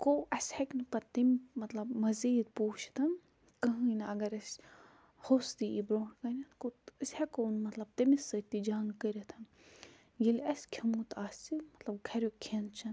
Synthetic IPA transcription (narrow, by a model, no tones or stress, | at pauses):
koʔɐsʲhɐknɨpɐt̪imʲmɐt̪lɐbmɐziːd̪̚puːt͡ʃʰt̪ʰɐn | kɐɦɨinɐɡɐɾɐsʲ | hosd̪iibɾoːʈkɐnʲɐnkoɨsʲhɐkonmɐt̪lɐb̚t̪imisɨt̪id͡ʒaːŋɡkəɾɐt̪ʰɐn | jilʲɐsʲkʲʰimut̪aːsʲimɐt̪lɐb̚ɡʰʱɐɾʲokʰent͡ʃʰɐn